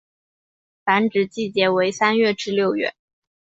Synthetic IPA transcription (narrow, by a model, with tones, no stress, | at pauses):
fa˧˥nʈ͡ʂɻ̩˨˩t͡ɕi˥˩t͡ɕjɛ˧˥we˧˥ɪsa˥nɥɛ˥˩ʈ͡ʂɻ̩˥˧ljo˥˧ʊɥɛ̰˥˩